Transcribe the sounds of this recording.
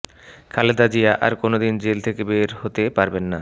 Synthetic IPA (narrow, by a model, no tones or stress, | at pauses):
kʰaled̪ad͡ʑiaʔaɾkonod̪ind͡ʑelt̪ʰekebeɾhot̪epaɾbenːa